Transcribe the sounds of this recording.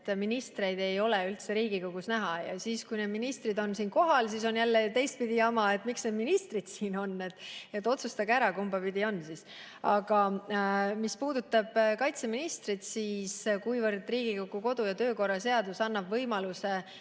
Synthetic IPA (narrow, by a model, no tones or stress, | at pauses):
t̪ːminist̪re̞jd̪̥e̞jo̞leylt̪se̞ɾiːɡikoɡ̥usnæɦɑjɑ̰siːskujne̞d̪minist̪rid̪o̞nsiːnko̞ɦɑlsiːso̞njælːet̪e̞jst̪̚pid̪̥iɑmɑe̞t̪ːˑmiksned̪minist̪rid̪̥siːno̞nːet̪ːˑe̞t̪ːˑo̞t̪sust̪ɑɡeæɾɑkumbɑpid̪io̞nːsis | ɑ̰ɡ̥ɑ | mispuːd̪ut̪ːˑɑb̥kɑjt̪se̞minist̪rid̪̥siːskujvɤrd̪riːɡ̥ikoɡ̥uko̞d̪ujɑt̪ø̞ːko̞rːɑse̞ɑd̪usɑnːɑbvɤjmɑluse̞